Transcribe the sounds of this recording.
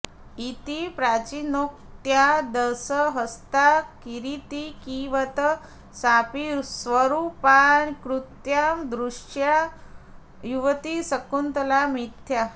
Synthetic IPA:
it̪ipɾat͡ɕinok̚ | t̪jad̪əsəɦəst̪akiɾit̪ikiʋət̪ə | sapiɾsʋəɾupankɾut̪jamd̪ɾuʂja | juʋt̪isəkunt̪əlamit̪ʰja

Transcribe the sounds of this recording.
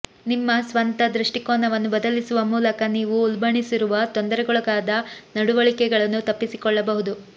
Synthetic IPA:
nimːɐsʋɐnt̪ɐd̪ɾuʂʈikoːnɐʋɐnːubɐd̪ɐlisuʋɐmuːlɐkɐniːʋuulbɐɳisiɾuʋɐt̪ond̪ɐɾɛɡɔɭɐɡaːd̪ɐnɐɽuʋɐɭikɛɡɐɭɐnːut̪ɐpːisikɔɭːɐbɐɦud̪u

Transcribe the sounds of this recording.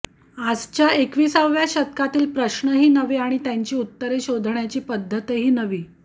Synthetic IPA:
ad͡zt͡ɕjaekʋiːsəʋʋjaɕət̪kat̪iːlpɾəɕɳəɦiːnəʋeaɽ̃it̪jaɲt͡ɕiːut̪ːəɾeɕod̪ʱɳjat͡ɕiːpəd̪ʱːət̪eɦiːnəʋiː

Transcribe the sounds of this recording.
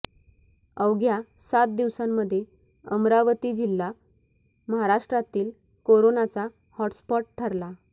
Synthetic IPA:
əwɡja | sat̪̚d̪iʋsamːəd̪ʱːje | əmɾaʋət̪iːd͡ʑilːa | məɦaɾaʂʈɾat̪iːl | koɾonat͡sa | hɔʈspɔʈ̚ʈʰəɾla

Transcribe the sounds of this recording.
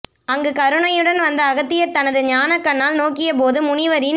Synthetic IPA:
ɐŋɡɯkɐɾɯɳɐjɯɽɐnʋɐnd̪ɐːɣɐt̪ːɪjɐɾt̪ɐnɐðɯɲaːnɐkːɐɳːaːlnoːkːɪjɐp̬oːðɯmʊnɪʋɐɾɪ

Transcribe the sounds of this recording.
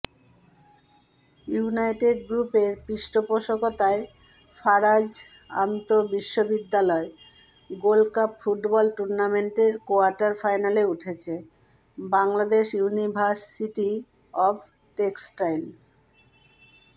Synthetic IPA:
junajʈeɖɡɾupeɾpɾiʃʈopoʃokot̪ae | faɾad͡ʑ | a̰nt̪obiʃːobid̪ːalɔe | ɡolkapfuʈbɔlʈuɾnameɳʈeɾkoaɾʈaɾfajnaleuʈʰet͡ɕʰe | baŋlad̪eʃjunibʱaʃsiʈi | ɔbʰ | ʈeksʈajn

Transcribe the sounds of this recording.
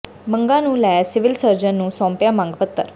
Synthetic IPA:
mə̃ŋɡãnũlɛːsɪʋɪlsəɾd͡ʒənːũːsɔ̃ːmpjamãŋɡpət̪ːə̰ɾ

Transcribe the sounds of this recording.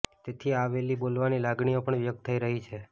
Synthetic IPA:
t̪et̪ʰiaʋelibolʋanilaɡɳiopəɳʋjək̚t̪ʰəiɾəɦit͡ʃʰe

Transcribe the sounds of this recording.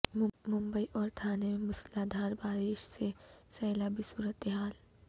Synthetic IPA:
mʊ̃mbəiʔɔːɾt̪ʰaːnemẽmʊslaːd̪ʱaːɾbaːɾɪʃsesɛːlabʱisuːɾət̪eɦaːl

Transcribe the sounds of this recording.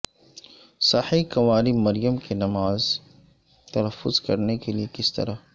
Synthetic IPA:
sɐħikɐʋaːɾimɐɾijəmkenɐmaːz | t̪ɐlɐfːʊz̥kɐɾnekeliekɪst̪ɐ̰ɾa

